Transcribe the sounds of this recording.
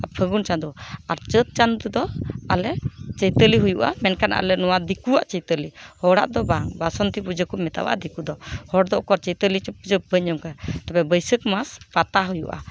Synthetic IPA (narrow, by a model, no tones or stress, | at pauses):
apʰəɡunt͡ʃand̪uaɾt͡ʃət̪̚t͡ʃand̪ud̪ɔalɛt͡ʃəjt̪əliɦujuʔa̰mɛnkanaa̰lɛnɔwad̪ikuwaʔt͡ʃəjt̪əlihɔɽa̰ʔd̪ɔbaŋbasɔnt̪ipud͡ʒəkɔmɛt̪a̰wa̰ʔd̪ikud̪ɔhɔɽd̪ɔʔkɔɾt͡ʃəjt̪əlit͡ʃpud͡ʒəbəɲəmkat̪abɛbəjsəkmaspat̪aɦujuʔa̰